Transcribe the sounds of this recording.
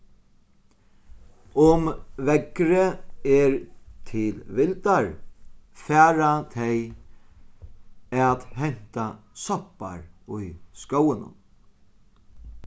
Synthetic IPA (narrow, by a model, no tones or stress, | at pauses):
ʊmʋɛkɾəɛɹt̪ʰɪlʋɪlt̪aɹ | fæːɾat̪ʰɛj | at̪hɛn̥t̪asɔpa̰ɹʊjskowənʊ̰n